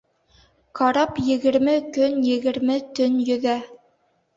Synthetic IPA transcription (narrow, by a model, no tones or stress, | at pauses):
qɑɾɑpjɘ̆ɡɘ̆ɾmɘkɵnjɘ̆ɡɘ̆ɾmɘt̪ɵnjɵ̆ðæ